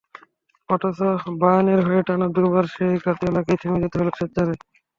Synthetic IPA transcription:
ɔʈosobajaneɾɦɔeʈanad̪ubaɾʃejkat̪iolaket̪ʰemed͡ʑet̪eɦoloet̪ːaɾe

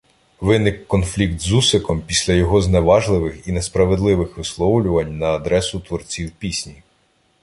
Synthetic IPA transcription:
ʋɪnɪkːɔnflʲikt̪zusekɔmpʲisʲlʲɐjɔɦɔzneʋɑʒlˠɪʋɪxinespɾɐʋed̪lˠɪʋɪxʋɪslˠɔwlʲʊʋɐnʲnɐːd̪ɾɛsʊt̪ʋɔrt͡sʲiwpʲisʲnʲi

